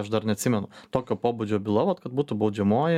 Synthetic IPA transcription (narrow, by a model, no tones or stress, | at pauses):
ɐʃd̪ɐɾnʲɛɐt̪ʲsʲɪmʲɛnʊt̪oːkʲoːpoːbud͡ʒʲoːbʲɪlˠɐʋɐt̪kɐt̪̚buːt̪ʊbɐʊd͡ʒʲɛmoːjɛ